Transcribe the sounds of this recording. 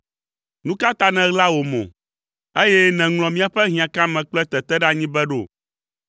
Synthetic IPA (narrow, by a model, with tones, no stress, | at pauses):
nũ˦ka˦t̪a˦nɛ̃˨ɣla˦wo˨mɔ̰̃˨ | e˦jɛ˦nɛ̃˨ŋl̃ɔ̃˨mĩ˦a˨ɸɛ˦ɦĩ˨a˨kã˦mɛ̃˨k͡plɛ˦t̪ɛ˨t̪ɛ˦ɖa˦ɲĩ˦bɛ˦ɖo̰˦˨